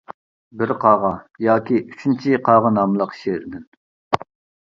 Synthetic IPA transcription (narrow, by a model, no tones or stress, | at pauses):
bɪɾqʰɑːʁɑjɑːkʲiʔyt͡ʃʰynt͡ʃʰiqʰɑːʁənɑmlˠəqʃeɾɪd̪ɪn